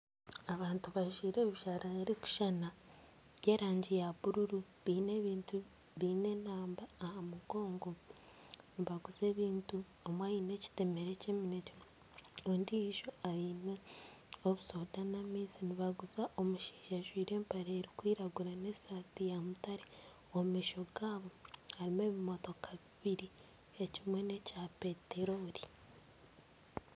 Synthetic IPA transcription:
aβaːntuβaʒwiːɾeβiʃaɾaɾiku̥ʃana | ɟe̞ːɾaːɲɟejaβuɾuɾu | βiːne̞βiːntu | βiːne̞naːmbaːhamuɡo̞ːŋɡo̞ | niβaɡuze̞ːβiːntu | omwaine̞ci̥te̞me̞ɾe̞ceːmineci | oːndiiʒo̞aiːne | oβuso̞danamiːsiniβaɡuzaʔo̞muʃi̥ːʒaʒwiːɾe̞ːmpaɾeːɾikwiːɾaɡuɾaneːsatijamutaɾe | omumiʃoɡaːβo̞haɾime̞βimo̞to̞kʰaβiβiɾi | ecimwe̞ne̞cape̞teɾo̞ɾi

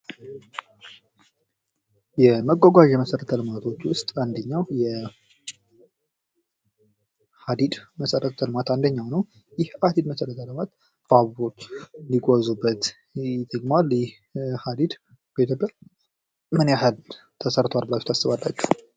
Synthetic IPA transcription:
jɛməɡʷːoɡʷaʒɛməsəɾət̪ʰːəlɨmat̪ʰo̞t͡ʃːwʊst̪ʼand̪əɲːawjɛ | had̪id̪məsəɾʔət̪ʰːəlmat̪and̪əɲːawnəw | jɪhhad̪id̪məsəɾət̪ʰːəlɨmat̪ | aββot̪niɡʼozubːət̪ | t̪ʼːəɡmaljɪh | had̪id̪ | b̥et̪ʰəɡə | mɨnjahɨl | t̪ʰəsəɾt̪ʰwalbɨlat͡ʃːut̪ʰasːɨβalːat͡ʃːu̥

